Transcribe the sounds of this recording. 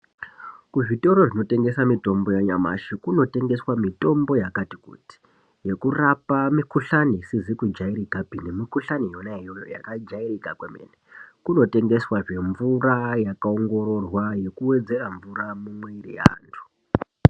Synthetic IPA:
kuʐito̞ɾo̞ʐino̞te̞ŋɡe̞samito̞mbo̞jaɲama̰ʃikuno̞te̞ŋɡe̞swamito̞mbo̞jakatikṵti̥ | je̞kurapamikuɬanisizikud͡ʒaiɾikapinemikuɬanijonaɦejojo̰ja̰kad͡ʒairikakwemḛnekuno̞te̞ŋɡe̞swaʐe̞ɱvurajakao̞ŋɡo̞ro̞rwaje̞kuwe̞d͡ze̞raɱvuramumweirija̰ːntʰu̥

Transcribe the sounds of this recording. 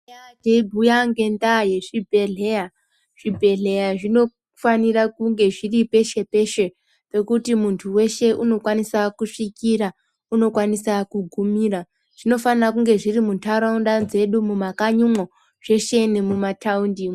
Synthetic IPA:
adʱebʱujaŋɡe̞ndaje̞ʐibʱe̞ɮeja | ʐ̥ibʱe̞ɮe̞jaʐino̞ | fanirakuŋɡe̞ʐiripe̞ʃe̞pe̞ʃe̞ | pe̞kutimuntʰuwe̞ʃe̞ʔuno̞kwanisakuʂikira | uno̞kwanisakuɡʱumira | ʐ̥ino̞fanirak̬uŋɡe̞ʐirimuntʰaɾoundanze̞ɗumumakaɲumo | ʐ̥e̞ʃe̞nemumatʰaundim

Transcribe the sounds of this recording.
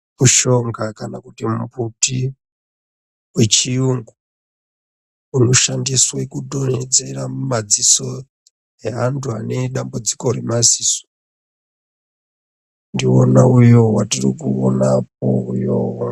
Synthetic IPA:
muʃo̞ŋɡakanakutimuputi | we̞t͡ʃiuŋɡu | uno̞ʃandiswekudoned͡ze̞rammad͡ziso̞ | eɦantʰuane̞ɗambud͡ziko̞remaziːso̥ | ndionaujowatirikuonap̚o̰ujo

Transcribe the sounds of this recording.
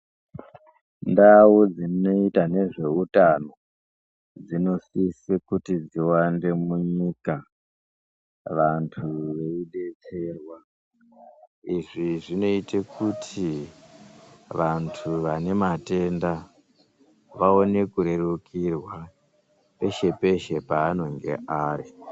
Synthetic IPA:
ndawud͡zino̞itane̞ʐe̞utano̞ | d͡zino̞sisekutid͡ziwande̞muɲika | ʋantʰuʋe̞iɗe̞t͡se̞rwa | iʐiʐino̞itekutʰi | ʋantʰuʋane̞mate̞nda | ʋao̞ne̞kuɾe̞rukʰirwa | pe̞ʃe̞pe̞ʃe̞paːno̞ŋɡe̞̰ʔaːri

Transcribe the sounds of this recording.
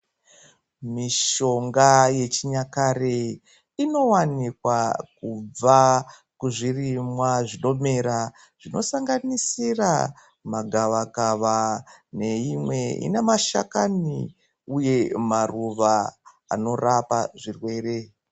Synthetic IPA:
miʃo̞ŋɡaje̞t͡ʃiɲakare | ino̞wanikwakub͡va | kuʐirimwaʐino̞me̞ɾa | ʐ̥ino̞̰saŋɡanisira̰ | maɡʱaʋakaʋane̞imwe̞ḭne̞maʃa̰kani | uje̞maruʋa | a̰no̞rapaʐirwe̞ːɾe̞

